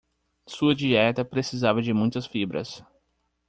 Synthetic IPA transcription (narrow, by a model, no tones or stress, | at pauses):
suɐd͡ʒiɛt̪ɐpɾesizavɐd͡ʒɪmũj̃t̪ɐsfibɾɐ̰s